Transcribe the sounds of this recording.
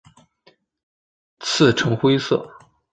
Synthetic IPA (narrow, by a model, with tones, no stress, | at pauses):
t͡sʰɹ̩˥˩ʈ͡ʂʰɤ˧˥ŋxwe˥ɪsɤ̰˥˩